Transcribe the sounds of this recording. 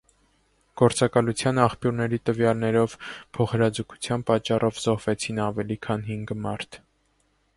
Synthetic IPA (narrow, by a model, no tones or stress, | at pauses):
ɡ̥ɔɾt͡sɑkɑlut͡sʰjɑnɑχpjuɾnɛɾit̪əvjɑlnɛɾɔvpʰɔχəɾɑd͡zukʰu̥t͡sʰjɑnpɑt͡ʃːɑrɔvzɔhvɛt͡sʰinɑvɛlikʰɑnɦiŋɡmɑɾt̪ʰ